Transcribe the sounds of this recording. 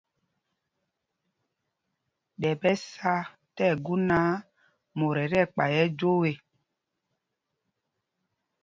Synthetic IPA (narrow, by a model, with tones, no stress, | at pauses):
ɗɛ˨bɛ˦sa˦ | tɛ˦˨ɡu˦na˨˦ | mo˨ɾɛ˨ɾɛ˦˨k͡pa˨jɛ˦d͡ʒo˦we˨